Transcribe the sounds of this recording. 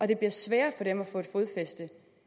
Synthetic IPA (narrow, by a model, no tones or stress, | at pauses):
ʔɒ̽d̥e̝b̥liɐsʋɛːɐfɒ̽ɾ̥emæfɔ̽ːe̝d̥fo̝ːð̞ˠfesd̥ə